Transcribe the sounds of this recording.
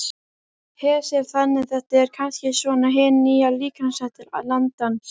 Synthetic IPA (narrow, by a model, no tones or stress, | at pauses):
hɛ̥ːsɛɾ̥θanːɪθɛht̪aɛɾ̥kʰanscɪsvɔnaɦɛːnːijaliːkʰansaht̪ɪɾa̰ðlant̪an